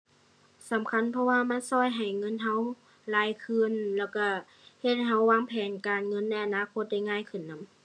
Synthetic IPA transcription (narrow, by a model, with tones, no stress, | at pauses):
sa˨˦mkʰa˧˥˨npʰɔ˧waː˧ma˧˥˨nsɔː˧˥˨jɦa˨˩jŋɤ˧˥˨nɦa˧˥˨w | laː˧˩jkʰɯ˧˥˨nlɛː˧˩wka˧˩ | he˧t̪̚ɦa˧˩wːaː˧˥˨ŋpʰɛː˨˦nkaː˨nŋɤ˧˥˨nːa˧˩jʔa˨naː˧˥˨kʰo˧t̪̚da˧˩˨jŋaː˧˥˨jkʰɯ˧˩˨nːa˧˥˨m